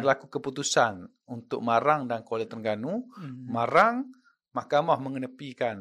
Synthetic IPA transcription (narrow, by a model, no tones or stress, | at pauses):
ɾlakukəput̪usan | unt̪ʊ̰k̚maɾaŋdankwalet̪ərŋɡanumaɾaŋ | mahkamahməŋənəpikan